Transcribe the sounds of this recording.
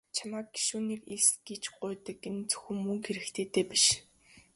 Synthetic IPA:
t͡ɕʰamaːk̚ɡi̥ʃuːniːkiɮsɡ̥et͡ɕɢʊːt̪ə̆kːent͡sɵ̥xɘ̆mːɵŋxeɾɘ̆kt̪ʰeːt̪eːpiʃ

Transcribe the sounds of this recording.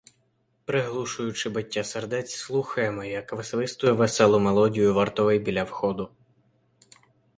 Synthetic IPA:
pɾɪɦlˠuʃʊjʊt͡ʃɪbɐtʲːaserd̪ɛt͡sʲslˠuxɐjemɛjɐkʋɐsʋɪst̪ʊjʊʋɛsɛlˠʊmelˠɔdʲijʊʋɐrt̪ɔʋɪjbʲilʲɐwxɔd̪ʊ

